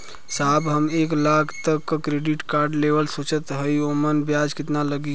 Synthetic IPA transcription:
saːbɦəmeːklakʰt̪əkːkɾeɖiʈkaːɾɖleʋəlsot͡ʃət̪ɦəiomənbjad͡ʒkɪt̪naləɡi

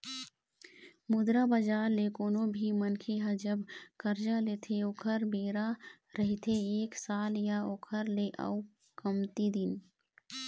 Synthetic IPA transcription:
mʊd̪ɾabəd͡ʒaːɾlekoːnõbʱimənkʰeɦəd͡ʒəbkɐɾd͡ʒaleːt̪ʰeoːkʰəɾbeːɾa | ɾɐɦit̪ʰeeːksaːljaoːkʰəɾleʔɐ̰u | kɐmt̪id̪ɪn

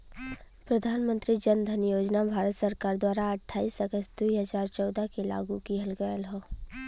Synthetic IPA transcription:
pɾɐd̪ʱaːnmə̃nt̪ɾid͡ʒənd̪ʱənjoːd͡ʒnabʱaːɾət̪səɾkaːɾd̪waːɾaɐʈʰːaːiːsəɡəsd̪uiɦɐzaːɾt͡ʃɔːd̪akela̰ːɡũkiɦɐlɡəjəlɦoː

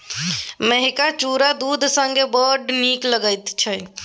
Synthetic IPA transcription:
meɦikat͡ʃuɾad̪ud̪ʱsəŋɡebəɾɖnikləɡəjt̪t͡ʃʰɛ

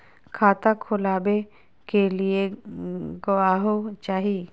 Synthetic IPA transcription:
kʰaːt̪akʰʊlaːbe | kelie | ɡoaːɦot͡ʃaːɦie

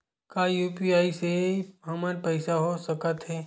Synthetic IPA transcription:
kaːjuːpiaːiseɦɐmaɾpɛɪsaɦosəkət̪ɦɛː

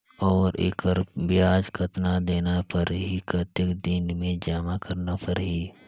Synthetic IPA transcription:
ɔːɾḛːkəɾbɪjaːd͡ʒkʰət̪nad̪eːnapəɾɦikət̪əkd̪ɪnmẽd͡ʒaːmakəɾnapəɾɦi

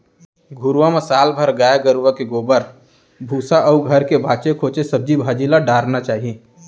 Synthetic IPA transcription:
ɡʱʊɾʋamɐsaːlbʱəɾɡaːjaɡəɾʋakeɡoːbəɾ | bʱuːsaʔɔːɡʱəɾkebʱaːt͡ʃekʰoːt͡ʃesəb̚d͡ʒibʱaːd͡ʒilaɖaːɾnat͡ʃaːɦieː

